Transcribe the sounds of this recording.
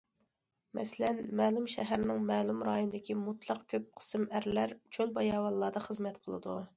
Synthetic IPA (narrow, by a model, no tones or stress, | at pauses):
mɛ̰sɪlɛnmɛːlˠumʃɛɦæɾnɪŋmɛːlˠumɾɑːjonɨd̪ɪkʲimut̪lˠɑqkʲʰøp̚qʰə̥sɨmæɾlæɾt͡ʃʰølbɑjɑːwɑlˠːɑːd̪ɑχəzmɛt̪qʰəlˠɨ̰d̪ṵ